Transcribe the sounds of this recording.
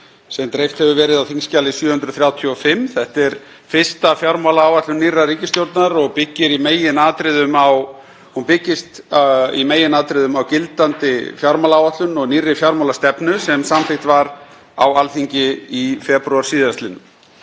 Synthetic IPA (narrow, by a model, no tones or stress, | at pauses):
sɛnt̪ɾejft̪hɛvʏvɛːɾɪðawθiŋscaːlɪsjœːhʏnt̪ɾʏ̥θɾjaːwt̪ʰjɔɔfɪmːθɛht̪ɛɾ | fɪ̥st̪afjaɾmalaaːwvat̪lʏniːrːaɾiːcɪst̪jowɾt̪naɾɔɣpɪcːɪɾimeːjɪnaːt̪ɾɪðʏmaw | hunpɪcːɪst̪ḭmeːjɪnaːt̪ɾɪðʏmawcɪlt̪ant̪ɪfjawɾmalaːwat̪lʏnɔɣniːrːɪfjawɾmawlast̪ɛpnʏsɛmsamθɪht̪vaɾ | awalθiɲcɪifɛpɾuaɾ̥siːðvast̪lɪnʏm